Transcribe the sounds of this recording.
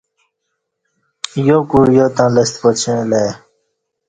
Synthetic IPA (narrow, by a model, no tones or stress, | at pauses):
jokuɾjoːt̪ãːləst̪pot͡ɕʰẽleː